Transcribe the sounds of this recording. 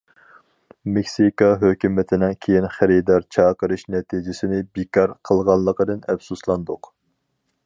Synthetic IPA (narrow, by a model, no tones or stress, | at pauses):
mekʲsikɑɦøkʲymɪt̪ʰɪnɪŋkʲʰejinχæɾid̪ɑɾt͡ʃʰɑːqəɾɨʃnɛt̪ʰid͡ʒɪsɪnɪbekʰɑɾqʰəlˠʁɑnlːˠəqəd̪ɨnɛfsuslˠɑnd̪ʊq